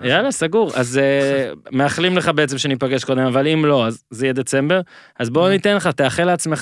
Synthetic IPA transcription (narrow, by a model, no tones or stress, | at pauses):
jalasaɡuʁa̰zemeaχlimle̞χabeet͡semʃeanipaɡeʃkod̪emavalimlo̞azːejɛd̪et͡sembe̞ʁ | azbo̞nit̪enleχat̪eaχeleat͡smeχ